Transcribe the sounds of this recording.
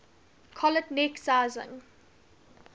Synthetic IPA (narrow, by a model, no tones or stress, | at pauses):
kʰɔlətnɛksaɪzɪ̰̃ŋ